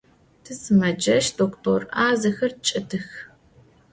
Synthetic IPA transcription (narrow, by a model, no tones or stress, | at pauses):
tʰɨsɨmɐd͡ʒɐʃdoːktʰorʔaːzɐxɐrt͡ʃʼɐtʰɨx